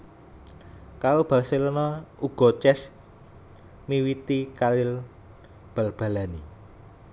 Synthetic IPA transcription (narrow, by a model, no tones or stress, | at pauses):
kaɾob̥a̤lselənɔuɡ̥ɔ̤t͡ʃɛs | miwit̪ikalɪl | b̥a̤lb̥ä̤lani